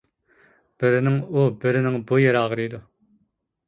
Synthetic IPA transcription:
b̥ɪɾɪnɪŋubɪɾɪnɪŋbujeɾɑːʁɾijd̪u

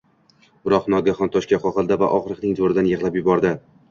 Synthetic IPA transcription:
bɪɾɒqnɒɡʲaχɒnt̪ʰɒʃkʲaχɒχɨlˠd̪ava̰ʔɒχɾɨqnɪŋzoɾɪd̪anjeʁlˠapjʊbɒɾd̪ɪ

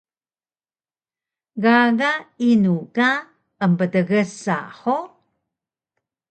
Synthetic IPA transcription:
ɡaɣainuka | əmbədəɣəsa̰ħo

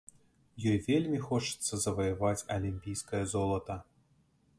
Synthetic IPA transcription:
jɔjvʲelʲmʲixɔt͡ʂɨ̥t̪sːɐzɐvɐjɐvat͡sʲɐ̰lʲimʲpʲijskɐjɐzɔlˠɐt̪ɐ

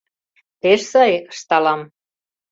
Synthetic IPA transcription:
t̪eʃsɑjəʃt̪ɑlɑm

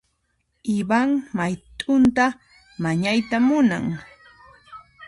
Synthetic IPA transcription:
ɪbaŋmajt̪ʼʊnt̪a | maɲajt̪amʊna̰ŋ

